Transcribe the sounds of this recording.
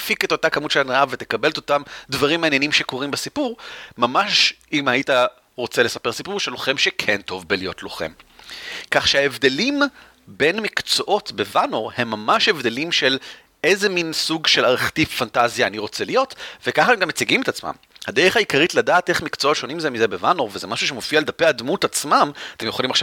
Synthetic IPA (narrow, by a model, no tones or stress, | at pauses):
fiket̪otakamutʃelanaavet̪e̞kabelt̪otamdvaʁimːaːnjenimʃeko̞ʁimbesipuʁmamaʃ | imajita | ʁo̞t͡sele̞sapeʁsipuʁʃelo̞χe̞mʃekʰe̞nto̞vbelijo̞tlo̞χḛm | kaχʃeaevd̪e̞lim | be̞nmikt͡soʔo̞tbe̞vanoʁhe̞mːamaʃe̞vd̪elimʃe̞l | e̞zeminsuɡʃe̞laʁeχtiffantazjaːniʁo̞t͡selijo̞tvekaχatemɡamet͡siɡimet̪at͡sma̰m | had̪eʁeχaikaʁitladaːteχmikt͡sootʃo̞nimzemizebevanoʁvezemaʃuʃemo̞fialed̪apeadmutat͡smamatemje̞χolimaχʃa